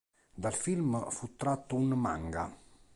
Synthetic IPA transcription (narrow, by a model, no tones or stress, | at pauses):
d̪alfilmfut̪ːɾat̪ːuunma̰ŋɡa̰